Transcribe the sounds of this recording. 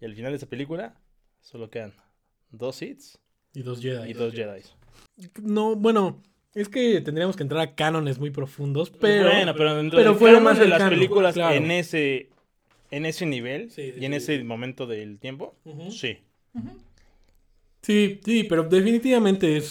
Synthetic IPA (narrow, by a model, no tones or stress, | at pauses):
ialfinald̪ees̬apelikula | solokean | d̪osit̪s | iðo̞zʝeðajiozd͡ʒeðajs | nobwe̞no̞ | e̞ske̞t̪end̪ɾiamoskent̪ɾaɾakano̞nezmujp̬ɾo̞fund̪o̞speɾoenopeɾoent̪ɾeɾofwealomaseaskanpelikulasklaɾeneseː | ne̞seniβ̞elsiienesemõ̞mẽnt̪o̞ðelt̪je̞mposi | sisipe̞ɾoðe̞finit̪̬iβamẽnt̪e̞es